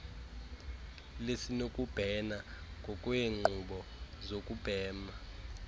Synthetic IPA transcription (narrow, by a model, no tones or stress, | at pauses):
lesinokʼub̥ʱɛnaŋʱɔkʼujeŋ͡ǃuɓɔzokʼub̥ʱɛːma